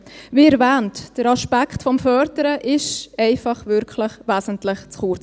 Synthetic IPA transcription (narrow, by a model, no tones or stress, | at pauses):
viːɛɾvæːntd̥əɾɑʃpakχtfɔmfœːɾdəɾəʔɪʃɛɪfɑχvʏɾkʰləχʋæːsən̩tlɪχt͡sχuɾt͡s